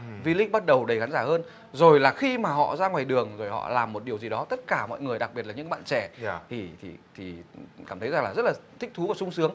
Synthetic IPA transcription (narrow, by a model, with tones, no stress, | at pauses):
vi˧lï˦ɓa˦˥t̚ɗə˨˩wɗə˨˩xa˨˦nzaː˧˩həː˧n | zo˨˩jlaː˨˩xi˧maː˨˩ɦɔ̰˧˨zaː˧ŋwaː˨˩jɗɨ˨˩əŋzo˨˩jhɔ̰˧˨laː˨˩mːo˨˩t̚ɗi˨˩əwzi˨˩ɗɔ˨˦t̪ə˦˥t̚kaː˧˩mɔ̰˧˨jŋɨ˨˩əjɗa˨˩k̚ɓi˨˩ətlːɲɨ̰˧˥kɓa̰ː˧˨nt͡ɕɛ˧˩t̪ʰi˨˩t̪ʰi˨˩t̪ʰi˨˩kaː˧˩mt̪ʰjza˨˩ŋaː˨˩zə˦˥t̚laː˨˩t̪ʰï˦˥k̚t̪ʰu˨˦aː˨˩sʊ˧ŋ͡msɨ˨˦əŋ